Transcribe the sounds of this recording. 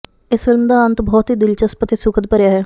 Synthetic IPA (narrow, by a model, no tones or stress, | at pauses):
ɪsfɪlmd̪aːənt̪bɔːt̪ɦiːd̪ɪlt͡ʃəspət̪ʰesukʰət̪̚pəɾjaːɦɛː